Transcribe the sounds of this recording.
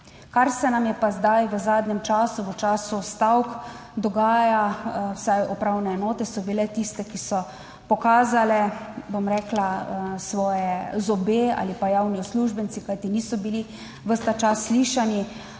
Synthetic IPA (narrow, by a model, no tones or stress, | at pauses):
kaɾsɛnamjɛpazd̪ajʋəzaːd̪nɛmt͡ʃaːsuʋət͡ʃaːsust̪awkd̪ɔɡaːjawsajɔpɾawnɛɛnɔːt̪ɛsɔbilɛt̪ist̪ɛkisɔ | pɔkaːzalɛbomɾɛːklasʋɔːjɛzɔbea̰ːlipajaːwniɔsluːʒbənsikajt̪iniːsɔbili | ʋəst̪at͡ʃasːliːʃani